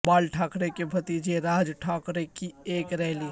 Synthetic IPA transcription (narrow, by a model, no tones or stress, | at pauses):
baːlʈʰaːkɾekebʱɐt̪iːd͡ʒeɾaːd͡ʒʈʰaːkɾekieːkɾɛːliː